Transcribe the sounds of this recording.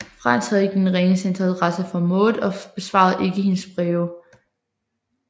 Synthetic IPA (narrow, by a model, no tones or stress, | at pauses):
fʁɑn̰shæðˠeɡ̥d̥enʁɛŋəsend̥ʁɑlʁasəfɒ̽mɔ̽ːɒ̽b̥e̝sʋɑ̰̈ð̞̩ˠʔe̝ɡ̥əhe̝nəsb̥ʁɛːʊ